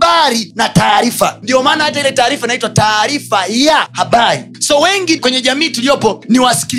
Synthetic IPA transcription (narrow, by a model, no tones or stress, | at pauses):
aɾinataːɾifandiɔmaːnahatailɛtaːɾifanaitwataːɾifajahaɓaɾi | sɔwɛŋɡikwɛɲɛʄamiːtulijɔpɔniwasi̥kil